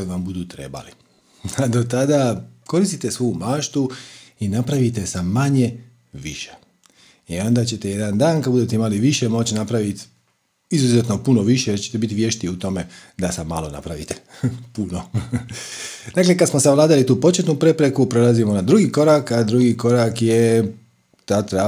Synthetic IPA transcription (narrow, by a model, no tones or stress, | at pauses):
ʋambud̪ut̪ɾe̞̰ba̰li | ad̪o̞t̪ad̪ako̞ɾist̪it̪e̞sʋuumaːʃt̪uinapɾaʋit̪e̞samːaɲe̞ | ʋḭʃe̥ | io̞nd̪at͡ɕe̞t̪eje̞d̪and̪aːnkad̪bud̪e̞t̪e̞imaliʋiʃe̞mo̞t͡ɕinapɾaʋit̪ | izuzet̪nopuno̞ʋiʃejeɾt͡ɕet̪ebit̪ʋje̞ʃt̪iut̪o̞me̞d̪asama̰lo̞na̰pɾaʋḭt̪e̥puno̞ | d̪aklekad̪smosaʋlˠaːd̪alit̪uːpo̞t͡ʃe̞t̪nupɾe̞pɾe̞kupɾe̞lazimo̞nad̪ɾuɡiko̞ɾakad̪ɾuɡiko̞ɾakje | t̪at̪ɾa